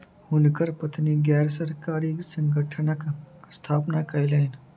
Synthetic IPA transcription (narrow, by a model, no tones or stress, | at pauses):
hʊnkəɾpɐt̪niɡɛːɾsəɾkaːɾiksə̃ŋɡəʈʰənəkst̪ʰaːpnakajlaɪn